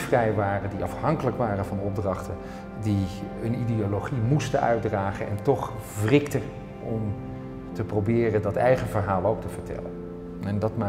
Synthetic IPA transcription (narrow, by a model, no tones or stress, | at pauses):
frɛjʋaːrəndiɑ̰fhɑŋkələkʋaːrənvɑnɔb̚drɑχtən | diənidioloχimustənœɥdraːχənɛ̰ntɔχ | vrɪktə | ɔm | təprowbɪːrəndɑtɛjχənvəɹɦaːlˠowk̚təv̥əɹtɛ̰lən | ɛndɑtma